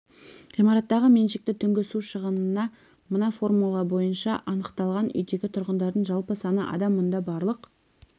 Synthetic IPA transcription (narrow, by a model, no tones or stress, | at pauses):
ʁijmɑɾɑt̪ːɑʁəme̞nʃɪk̚t̪ɪt̪ʰʏŋɡʲɪsuʃəʁənənɑ | mənɑfo̞rmulˠɑbo̞jənʃɑʔɑnəqt̪ɑlˠʁɑnʏ̰jd̪e̞ɡʲɪt̪ʰʊɾʁənd̪ɑɾd̪əɴʒɑlˠpəsɑnəʔɑ̰d̪ɑmːʊnd̪ɑbɑɾlˠəq